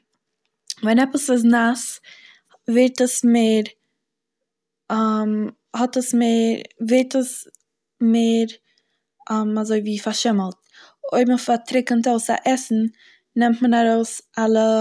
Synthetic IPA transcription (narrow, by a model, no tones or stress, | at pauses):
vɛnɛpəsəs̬nas | vɪɾtəsmeːɾ | am | hɔtəsmeːɾvɪɾtəs | meːɾ | mazoɪviːfaɾʃɪməlˠt̚ | oɪbm̩faɾtʰɾɪkəntoʊsa̰ʔɛsn̩ | nɛmtmənaɾoʊsalˠə